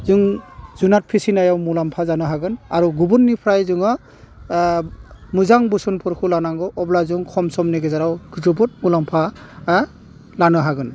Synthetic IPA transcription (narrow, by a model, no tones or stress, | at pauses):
zuŋzunat̚pʰisinajawmulampʰazanɯɦaɡɯnaɾuɡubunːipʰɾajzuŋɔ | muzaŋbusunpʰɯɾkʰulanaŋɔʔɔblazuŋkʰɔmsɔmneɡezaɾawɡ̥ɯdɔbut̚mulampʰa | lanɯɦaɡɯn